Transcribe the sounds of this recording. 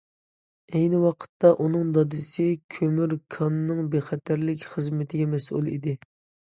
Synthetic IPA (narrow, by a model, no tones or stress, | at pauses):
ɛjnɪwɑqʰə̥t̪ʰːɑʔunɨŋd̪ɑd̪ɨsɨkʲʰømyɾkʰɑnːɨŋbeχɛt̪ʰæɾlɪkʲχəzmɪt̪ʰɪɡʲɛmɛsʔṵlˠḭd̪ɪ